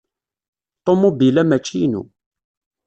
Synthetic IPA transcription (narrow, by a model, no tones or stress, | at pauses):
t̪ˤomubilæmæt͡ʃːijnṵ